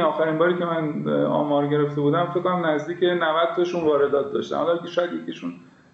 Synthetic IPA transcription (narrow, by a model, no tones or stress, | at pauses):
ɒːxæɾimbɒːɾiːcʲʰemænɒ̰ːmɒːɾɟe̞ɾe̞ft̪e̞buːd̪æmfekːonæmnæzd̪iːcenævæd̪̥̚t̪ʰɒʃunvɒːɾe̞d̪ɒːt̪̚ʰd̪ɒ̰ːʃt̪æ̰mɒ̰lːkʲeʃɒːjæd̪jekʰiʃun